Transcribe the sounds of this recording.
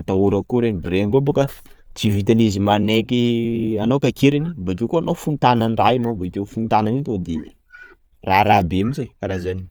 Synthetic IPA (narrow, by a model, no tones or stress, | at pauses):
at̪auɾəkuɾenibiɾeŋkobokə | t͡sivit̪anizimanekianokakeɾinibad͡ʒikoanofunt̪ananrainoboit̪ewfunt̪ananit̪od̪ini̥ | raɾabeamizakaɾazani̥